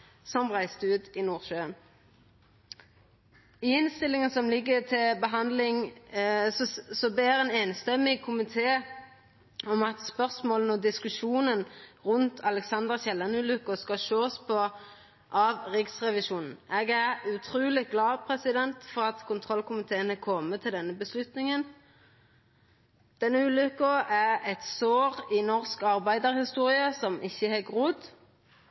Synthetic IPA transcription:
sɔmʁæɪst̪əʉːt̪ɪnuːʁʃøːn | ɪɪnst̪ɪlːɪŋənsɔmlɪɡːət̪ʰɪlbəɦɑnd̪lɪŋ | sɔbeːɾɛːneːnst̪ɛmɪkʰʊmɪt̪ʰeː | ɔmɑt̪spœʁsmoːlənɔd̪ɪskʉʃuːnənʁʉnt̪ʰɑlɛksɑnd̪əʁçɛlːənʉlʉkʊskɑʃoːspʰɔ | ʔɑʋʁɪksʁɛʋɪʃuːnn̩ʔeːɡæʁʉt̪ʰʁuːlɪɡlɑːpʰʁɛsɪd̪ɛnt̪fɔʁɑt̪kʰʊnt̪ʰʁɔlkʰʊmɪt̪ʰeːənəkʰɔmːət̪ʰɪld̪ɛnːəbəslʉt̪nɪŋən | d̪̥ɛnːəʉːlʉkəʔæʁɛt̪soːʁɪnɔʁskɑʁbæɪd̪əʁhɪst̪uːʁɪəsɔmʔɪçːəhɑɡʁʊd̪

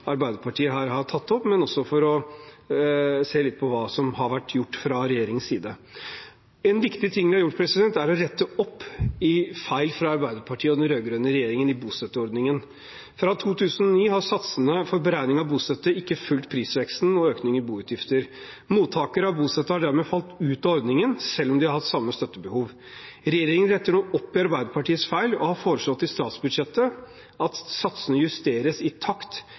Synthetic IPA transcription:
ɑɾbæɪd̪əɾpʰɑʈʰiːəɦɑɾɦɑɾt̪ʰɑt̪ːɔpːmɛnɔsːɔfɔɾɔ | seːlɪt̪̚pʰɔʋɑːsɔmhɑɾʋæʈːjʊʈːfɾɑɾɛjeːɾɪŋənsiːd̪ə | ɛnʋɪkt̪ɪt̪ʰɪŋːd̪ɪhɑɾjʊʈːpʰɾɛsɪd̪ɛnt̪æɾɔɾɛt̪ːəɔpːɪfæɪlfɾɑɑɾbæɪd̪əɾpʰɑʈʰiːəɔd̪ɛnɾøːɡɾøːnəɾɛjeːɾɪŋənɪbuːst̪ɛt̪ːəɔɾd̪nɪŋən | fɾɑt̪ʰuːt̪ʰʉːsənɔniːɦɑɾsɑt̪sənəfɔɾbəɾæɪnɪŋɑbuːst̪ɛt̪ːəɪkːəfʉlt̪̚pʰɾiːsʋɛksn̩ɔøːknɪŋəbuːʉt̪jɪft̪əɾ | muːt̪ʰːɑːkəɾəhɑɾbuːst̪ɛt̪ːəhɑɖæɾmɛːfɑlt̪ʉːt̪ɑɔɾd̪nɪŋənsɛlːɔmd̪ɪhɑɾhɑt̪sɑmːəst̪œt̪ːəbəhuːʋ | ɾɛjeːɾɪŋənɾɛt̪ːəɳuːɔpːɪɑɾbæɪd̪əɾpɑʈiːəsfæɪlɔ̰hɑɾfoːɾəʂlɔt̪ːɪst̪ɑːt̪sbʉd̪ʂɛt̪ːə | ɑt̪sɑt̪sənəjʉst̪eːɾəsɪt̪ʰɑkt̪

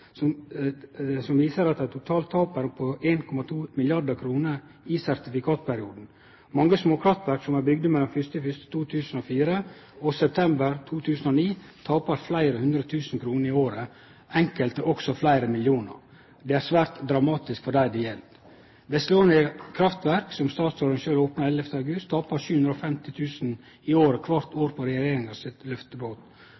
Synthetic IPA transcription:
sɔm | sɔmʋiːsəɾɑt̪̚æɪt̪ʰʊt̪ʰɑːlt̪ʰːɑːpəɾpʰɔʔeːnkʰɔmɑt̪ʰuːmɪljɑɖ̪əkʰɾuːnəɾ | ɪsæɾt̪ɪfɪkʰɑːt̪̚pʰæɾɪuːd̪n̩ | mɑŋːəsmoːkʰɾɑft̪ʋæɾksɔmæbʏɡ̚d̪əmɛlːɔnfʏst̪əfʏst̪ə̥t̪ʰuːt̪ʰʉːsn̩oːfiːɾəɔsɛp̚t̪ʰɛmbəɾt̪ʰuːt̪ʰʉːsən̩ɔniːt̪ʰɑːpəɾflæɪɾəhʉnd̪ɾət̪ʰʉːsn̩kʰɾuːnəɾɪoːɾə | ɛŋkəlt̪əʔɔksɔflæɪɾəmɪljuːnə̰ɾ | d̪ɛːæːɾsʋæːɾt̪d̪ɾɑmɑːt̪ɪskfɔɖæɪd̪ɪjɛl | bɛsəloːnɪkʰɾɑft̪ʋæɾksɔmst̪ɑːt̪sɔɾənʃøːloːpnɑɾɛlɛft̪əɑɡʉst̪ʰːɑːpɑʃʉːhʉnd̪ɾɔfɛmt̪ɪt̪ʰʉːsn̩ | ɪoːɾəkʰʋɑɾt̪oːɾpʰɔɾɛjejeːɾɪŋɑsɪt̪lœft̪əboːt̪

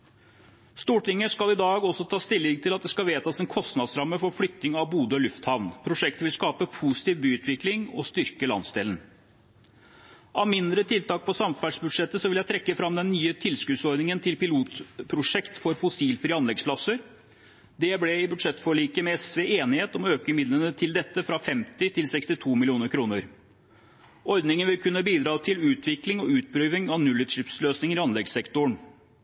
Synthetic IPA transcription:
st̪uːʈɪŋːəʂkɑlɪd̪ɑːɡɔsɔt̪ʰɑːst̪ʰɪlːɪŋt̪ʰɪlɑt̪̚d̪ɛskɑʋeːt̪ɑsɛnkʰɔst̪nɑd̪sɾɑmːəfɔɾflʏt̪nɪŋɑʋbuːd̪əɔlʉft̪hɑʋnpʰɾʊʂɛk̚t̪əʋɪlskɑːpəpʰusɪ̥t̪iːʋbyːʉːt̪ʰʋɪklɪŋɔst̪ʏɾkəlɑ̰nsd̪elən | ʔɑʋmɪnd̪ɾət̪ʰɪlt̪ɑːk̚pʰɔsɑmfæːɖʂbʉd̪ʂɛt̪ːəsɔʋɪljæɪt̪ʰɾɛkːəfɾɑmd̪ɛnːyːət̪ʰɪlskʉːd̪sɔɾd̪nɪŋənt̪ʰɪlpɪluːt̪pʰɾʊʂɛkt̪fɔɾfʊsiːlfɾiːɑnɛɡspʰlɑsəɾ | d̪ɛblɛɪbʉd̪ʂɛt̪ːfɔɭiːkəmɛɛsʋɛeːnɪheːt̪ɔmɔøːkəmɪd̪lənət̪ʰɪld̪ɛt̪ːəfɾɑfɛmt̪ɪt̪ʰɪlsɛkst̪ɪt̪ʰuːmɪlɪuːnəɾkʰɾuːnəɾ | ɔɾd̪nɪŋənʋɪlkʰʉnːəbiːd̪ɾɑːt̪ʰɪlʉːt̪ʰʋɪklɪŋɔʉːt̪̚pʰɾyːʋɪŋɑʋnʉlːət̪ʂɪpsløːsnɪŋəɾɪɑnlɛɡsɛkt̪ʊɳ

